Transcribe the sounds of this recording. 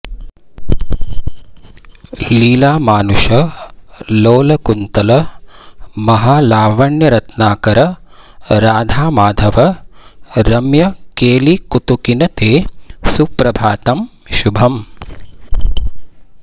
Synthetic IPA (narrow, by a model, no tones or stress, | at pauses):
liːlaːmaːnuʃɐ | loːlɐkunt̪ɐlɐ | mɐɦaːlaːʋɐɳjɐɾɐt̪naːkɐɾɐ | ɾaːd̪ʱaːmaːd̪ʱɐʋɐ | ɾɐmjɐkeːlikut̪ukinɐt̪eːsupɾɐbʱaːt̪ɐm | ʃubʱɐm